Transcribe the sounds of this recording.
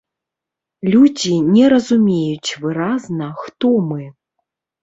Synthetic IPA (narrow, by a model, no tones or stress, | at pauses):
lʲud͡zʲinʲɛɾɐzumʲejut͡sʲvɨɾaznɐxt̪ɔmɨ